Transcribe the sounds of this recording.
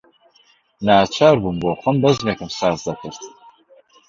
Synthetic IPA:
naːt͡ʃʰaːɾbunboːχʷɐmbɐzmeːkɨmsaːzd̪ɐkʰɨɾt̪

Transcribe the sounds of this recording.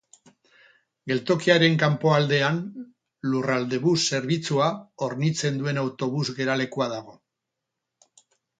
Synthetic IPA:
ɡe̞lt̪o̞kiaɾe̞ŋkampo̞ald̪e̞an | lurald̪e̞βusːe̞ɾβit͡suao̞ɾnit͡se̞nd̪ue̞nawt̪o̞βuzɣe̞ɾale̞kuaðaɣ̞o̞

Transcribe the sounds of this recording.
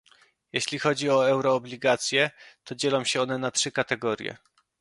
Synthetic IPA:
jeɕlʲixɔd͡ʑiɔɛwɾɔːblʲiɡat̪sʲjɛt̪ɔd͡ʑelɔ̃w̃ɕɛɔnɛnatʂɘkat̪ɛɡɔɾjɛ̰

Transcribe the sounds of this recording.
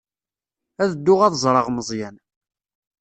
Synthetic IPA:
æðəd̪ːʊʁæðəzˤɾˤɑʁməzˤjæn

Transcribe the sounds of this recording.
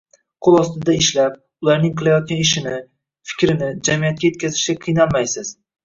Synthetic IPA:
qʰolˠɒst̪ɪd̪aɪʃlap̚ | ʊlaɾnɪŋqʰɨlˠajɒt̪̚kʲanɪʃɪnɪ | fɪ̥kʲɾɪnɪd͡ʒamijat̪̚kʲaje̞t̪̚kʲʰazɪʃɡʲaqʰɨjnalˠmajsɪz̥

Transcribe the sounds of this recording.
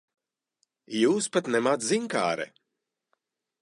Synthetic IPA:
juːspat̪nɛmat̪ziŋka̰ːɾɛ̰

